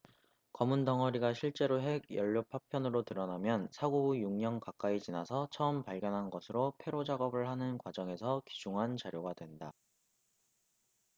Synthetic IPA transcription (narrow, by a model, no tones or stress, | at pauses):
kʌmundʌŋɦʌɾiɡaɕʰiɭt͡ɕ͈e̞ɾoɦe̞ɡjʌʎːopʰːapʰjʌnɯɾotɯɾʌnamjʌnsʰaɡobujuŋɲʌŋkak͈ait͡ɕinasʰʌt͡ɕʰʌɯmpaɭɡjʌnɦanɡʌsʰɯɾopʰe̞ɾod͡ʑaɡʌbɯɭhanɯnkwad͡ʑʌŋe̞sʰʌki̥d͡ʑuŋɦant͡ɕaɾjoɡadwe̞nda